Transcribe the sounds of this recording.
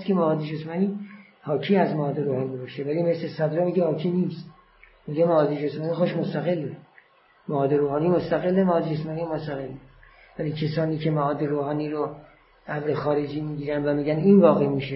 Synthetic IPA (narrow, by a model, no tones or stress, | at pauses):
skʰemæɒːd̪ed͡ʒesmæniː | hɒːkʰiːæzmæɒːd̪eɾoːhɒːnibɒːʃevælimeslesæd̪ɾomiɡehɒːkʰiːniːst̪ | muɡ̪emæɒːd̪ed͡ʒesmæːniːxoʃmost̪æɣe̞lːe | mæɒːd̪e̞ɾoːhɒːniːmost̪æɣelːemæːd̪ed͡ʒesmɒːnijmost̪æɣelːe | væliːcʰesɒːniːkʰemaɒːd̪eɾoːhɒːniːɾo | ʔæbɾexɒːɾed͡ʒiːmiːɡiːɾænd̪væmiːɡæninvɒːɣemiːʃe